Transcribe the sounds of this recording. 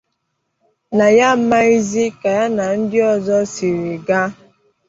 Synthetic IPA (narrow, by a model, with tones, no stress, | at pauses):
na˨ja˦m̩˦ma˦i˦zi˦ka˨ja˦na˨n̩˦dɪ˦ɔ˨zɔ˦si˨ɾi˨ɡa˦